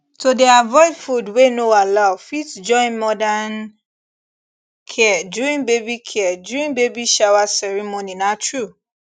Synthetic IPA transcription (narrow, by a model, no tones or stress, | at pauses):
todɛavɔjfudwenoalafitd͡ʒɔ̃ɪ̃nmɔdan | kʰɛduɹĩnbebikʰɛadjuɹĩnbebiʃawasɛɹimoninatɹu